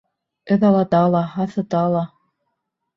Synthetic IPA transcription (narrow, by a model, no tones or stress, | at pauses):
ɘ̆ðɑlˠɑt̪ɑlˠɑɦɑθɤ̆t̪ɑlˠɑ